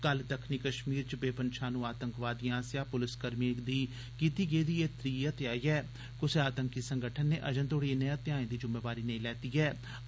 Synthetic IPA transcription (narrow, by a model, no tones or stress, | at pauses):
kəld̪əkʰniːkəʃmiːɾt͡ʃbeːpənʃʰaːnũːaːt̪əŋkʋaːd̪iːãːsjaːpʊlɪskəɾmiːd̪iː | kiːt̪iːɡeːd̪iːeːt̪ɾiːət̪ɪaːiːɛː | kʊseaːt̪əŋkiːsəŋɡəʈʰənːeːʔəd͡ʒənt̪oːɽiːnẽət̪ɪjaːẽːd̪iːd͡ʒʊmeːʋaːɾiːnəĩlɛːt̪iːɛː